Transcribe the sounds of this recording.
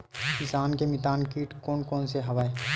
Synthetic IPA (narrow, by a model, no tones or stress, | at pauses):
kɪsaːnkemɪt̪aːnkiːʈkoːnkoːnseɦɐʋaːeː